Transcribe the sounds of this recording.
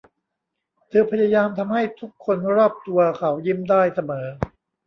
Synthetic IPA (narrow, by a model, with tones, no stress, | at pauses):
t̪ʰɤː˧pʰa˧˥ja˧jaː˧mt̪ʰa˧mha˥˩jt̪ʰu˦˥kʰːo˧nɾɔː˥˩p̚t̪u˧ɐkʰa˩˦wji˦˥mdaː˥˩jsa˧mɤː˩˦